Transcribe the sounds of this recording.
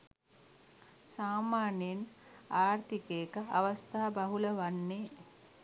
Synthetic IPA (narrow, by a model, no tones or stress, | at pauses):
saːmaːneenaːɾt̪ikeːkəaʋɐst̪aɦabaɦuləʋanːeː